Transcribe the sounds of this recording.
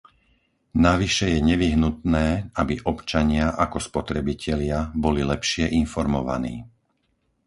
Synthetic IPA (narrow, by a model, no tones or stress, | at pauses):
naʋiʃɛjɛɲɛʋiɦnut̪nɛːabiʔɔpt͡ʃaɲɪaʔakɔspɔt̪ɾɛbicʰɛlɪabɔlilɛpʃɪɛʔinfɔɾmɔʋa̰nḭː